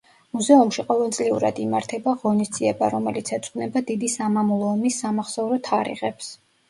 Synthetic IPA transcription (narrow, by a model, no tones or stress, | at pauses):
muzɛumʃiqʼɔvɛlˠt̪sʼliuɾa̰d̪imaɾt̪ʰɛbaʁɔnisd̪ziɛba̰ɾɔmɛlit̪sʰɛt̪sʼqʼnɛbad̪id̪isamamulˠɔːmisːamaχsauɾɔt̪ʰaɾḭʁɛps